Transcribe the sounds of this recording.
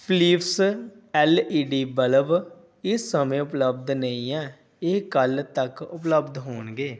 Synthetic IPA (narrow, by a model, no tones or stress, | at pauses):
pʰliːps | ɛːliːɖiːbələʋ | ɪsːəmẽːʊpləbd̪nəĩːɛː | ɪkəlt̪əkʊpləbd̪ɦoːnɡeː